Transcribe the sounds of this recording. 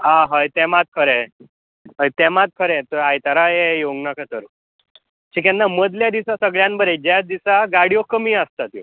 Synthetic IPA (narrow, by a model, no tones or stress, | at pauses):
ãɦəjt̪ɛmat̪̚kʰəɾɛ | ɦəjt̪ɛmat̪̚kʰəɾɛt̪əajt̪aɾajejoɡnakʰət̪əɾ | t͡ɕʰikɛ̃nnaməd̪ʱljad̪isasəɡɭjãnbəɾed͡ʑad̪isaɡaɽijokəmiːəst̪at̪ḭ